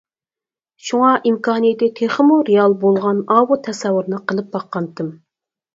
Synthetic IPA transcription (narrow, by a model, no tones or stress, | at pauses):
ʃuŋɑʔimkɑːnɨjɪt̪ɪt̪ʰeχəmuɾeɑlˠbolˠʁɑnɑːwut̪ʰɛsɛwːuɾnɨqʰəlˠɨp̚bɑqːɑnt̪ɨm